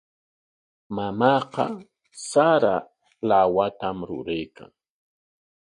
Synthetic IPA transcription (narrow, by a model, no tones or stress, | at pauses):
mamɑːqɑ | saɾa | lawat̪amɾʊ̰ɾajkʰa̰ŋ